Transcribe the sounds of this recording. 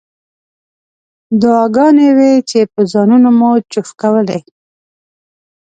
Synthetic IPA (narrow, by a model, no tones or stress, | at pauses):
d̪ʊɑɡɑnewet͡ʃepəzɑnunomot͡ʃʊfkawəle